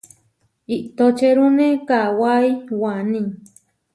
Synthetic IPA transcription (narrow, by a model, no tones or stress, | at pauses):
iʔt̪ot͡ʃeɾunekawaiwanĩ